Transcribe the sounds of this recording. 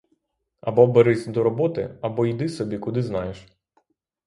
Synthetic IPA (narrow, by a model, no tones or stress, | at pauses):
ɐbɔbeɾɪsʲd̪ɔɾɔbɔt̪ɪ̰ɐbɔjd̪ɪsɔbʲikʊd̪ɪznɑjeʃ